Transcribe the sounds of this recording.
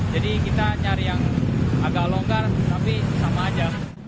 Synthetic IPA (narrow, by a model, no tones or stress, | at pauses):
d͡ʒadikit̪aɲaɾjaŋaɡaloŋɡart̪ampisamaːd͡ʒa